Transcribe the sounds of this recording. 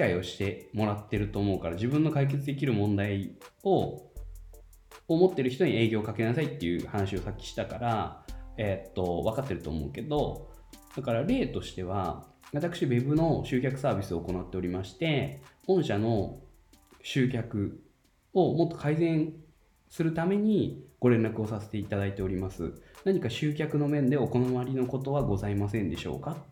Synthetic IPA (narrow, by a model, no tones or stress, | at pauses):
kaio̞ɕi̥t̪e̞mo̞ɾat̪ːe̞ɾɯ̟t̪o̞ːmo̞ɯkaɾad͡ʑibɯ̟̃nːo̞kaik̬e̞t͡sɨd̪e̞k̬ʲiɾɯ̟mõ̞nd̪aio̞ | omo̞t̪ːe̞ɾɯ̟çi̥t̪o̞ɲ̟ie̞ːɡʲo̞ːkake̞nasait̪ːe̞jɯ̟hanaɕio̞sakʲːi̥ɕi̥t̪akaɾaet̪ːo̞β̞akat̪ːe̞ɾɯ̟t̪o̰ːmo̞̰ɯ̟ke̞d̪o̞ | d̪̥akaɾaɾe̞ːt̪o̞ɕi̥t̪e̞β̞a | βat̪akɯ̥ɕibe̞bɯ̟no̞ɕɨːkʲakɯ̟saːbʲisɨo̞ːko̞nat̪ːe̞o̞ɾʲimaɕi̥t̪e̞õ̞ɰ̃ɕano̞ | ɕɨːk̬ʲakɯ̟ | o̞mo̞t̪ːo̞̥kʰaizẽ̞ɰ̃ | sɨɾɯ̟t̪ame̞ɲ̟iɡ̥o̞ɾẽ̞nɾakɯ̟o̞sase̞̥t̪e̞it̪ad̪ait̪e̞o̞ɾʲimasɨ̰naɲ̟ikaɕɨːk̬ʲakɯ̟no̞mẽ̞nd̪e̞o̞ko̞naβaɾʲino̞ko̞t̪o̞βaɡo̞zaimasẽ̞nd̪e̞ɕo̞̰ːka